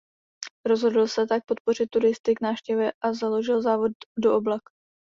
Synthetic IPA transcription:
ɾo̞zɦo̞dl̩sɛt̪ak̚po̞t̪̚po̞r̝ɪt̪̚ːuɾɪst̪ɪɡnaːfʃcɛvjɛʔazalo̞ʒɪlzaːvo̞ddo̞ʔoblak

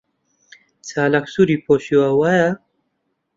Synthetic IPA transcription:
t͡salaksuɾipoɕiwawaja

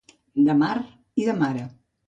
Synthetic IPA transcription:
d̪əmaɾ | iðəmaɾə

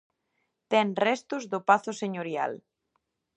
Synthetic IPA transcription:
t̪ɛŋrɛst̪ʊzðʊpaθʊseɲoɾja̰l

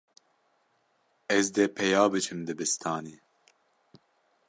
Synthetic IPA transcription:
ɛzd̪eːpʰɛjɑːbɨt͡ʃʰɨmd̪ɨbɨst̪ʰɑːniː

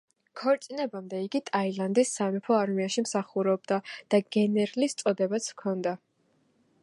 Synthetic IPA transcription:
kʰɔɾt̪sʼinɛbamd̪ɛiɡit̪ʼailand̪isːamipʰɔaɾmiaʃimsaχuɾɔb̚d̪ad̪̥aɡɛnɛɾlist̪sʼɔd̪ɛbat̪sʰkʰɔnd̪a

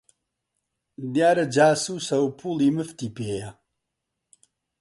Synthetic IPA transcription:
d̪jaːɾɐd͡ʒaːsusɐwpʰuliməft̪ipeːja

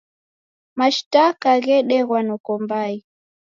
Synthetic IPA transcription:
maʃtakaɣɛɗɛɣwanɔkɔmbai

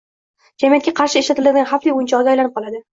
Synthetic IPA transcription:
d͡ʒamijat̪̚kʲaqʰɑɾʃɪeʃlat̪ɪlad̪ɪɡʲanχaflijʊjɪnt͡ʃʰɒɡʲajlanɪp̚qʰɒlˠad̪ɪ

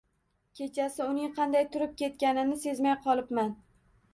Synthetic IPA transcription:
kʲʰe̞t͡ʃʰasɪʊnɪŋqʰɑnd̪ajt̪ʰʊɾɪp̚kʲʰe̞t̪̚kʲanɪnɪse̞zmajqʰɒlˠɪpman

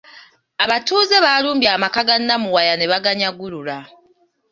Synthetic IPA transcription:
aβatuːze̞βaluːmbjaːmakaɡanːamuwajane̞βaɡaɲaɡuɾula

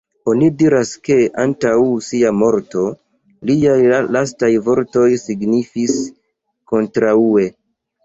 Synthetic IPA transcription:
o̞nidiɾaske̞ʔantawsiamo̞ɾto̞ | liajlastajvo̞ɾto̞jsiɡnifis | ko̞ntɾaue̞

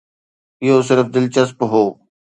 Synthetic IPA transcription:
ɪɦoːsɪɾfd̪ɪlt͡ʃəspɦoː

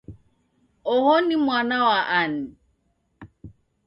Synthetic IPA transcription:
ɔɦɔnɪmwʷanawaʔanɪ

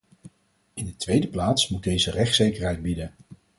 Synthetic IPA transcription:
ɪndətʋejdəplaːtsmud̚dejzərɛχtsejkəɹɦɛjd̚bidən

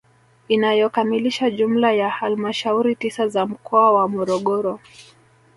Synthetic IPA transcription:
inajɔkamiliʃaʄum̩lajahalmaʃauɾitisazam̩kʰɔawamɔɾɔɠɔɾɔ

